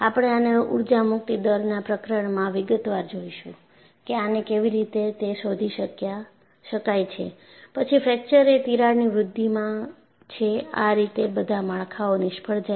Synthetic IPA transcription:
apɽ̃eaneṵɾd͡ʒamʊk̚t̪id̪əɾnapɾəkɾəɳmãʋɪɡət̪ʋaɾd͡ʒoiʃũ | keanekeʋiɾit̪et̪eʃod̪ʱiʃəkja | ʃəkajt͡ʃʰe | pət͡ʃʰifʰɾɛk̚t͡ʃəɾet̪iɾaɾniʋɾʊd̪ʱːimã | t͡ʃʰea̰ɾit̪ebəd̪ʱamaɭkʰaonɪʃpʰəɭd͡ʒa

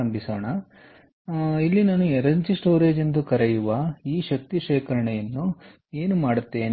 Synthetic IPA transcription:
ɐmbisoːɳɐ | ilːinaːnueɾɐɲt͡ʃisʈo̞ːɾeːd͡ʒend̪ukɐɾɛjuʋɐiːʃɐk̚t̪iʃeːkɐɾɐɳɛjɐnːu | e̞ːnumaːɽut̪ːeːn

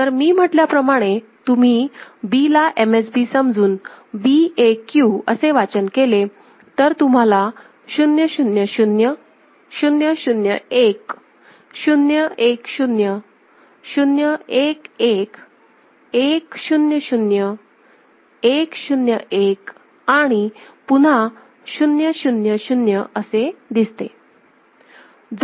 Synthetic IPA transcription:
t̪əɾmiːm̤əʈljapɾəmaɽ̃e | t̪um̤iːbilaʔemesbisəmd͡zuːnbiekjuə̰seʋat͡ɕənkele | t̪əɾt̪um̤ala | ɕunjəɕunjəɕunjə | ɕunjəɕunjə̰ek | ɕunjəʔekɕunjə | ɕunjəekek | ekɕunjəɕunjə | ekɕunjəʔek | aɽ̃ipuɽa | ɕunjəɕunjəɕunjəʔəsed̪ist̪e | d͡z

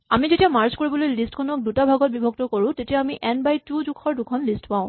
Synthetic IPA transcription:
amizetijamaɹskoɹibɔlojlistkʰɔnɔk̚dutabʱaɡɔt̚bibʱɔɡ̚tɔkoɹʊ̃tetijaːmiʔɛnbajtudukʰɔɹdukʰɔnlistpãʊ̃

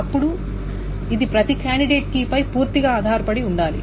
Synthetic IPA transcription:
ɐpːuɽu | id̪ipɾɐt̪ikaːɳɖiɖeːʈ̚kipɐjpuːɾt̪iɡaːd̪ʱaːɾɐpɐɽiuɳɖaːlḭ

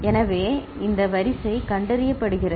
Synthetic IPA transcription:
ɛnɐʋeː | ɪnd̪ɐʋɐɾɪsɐɪkɐɳɖɐɾɪjɐpːɐɽɯɣɪrɐ

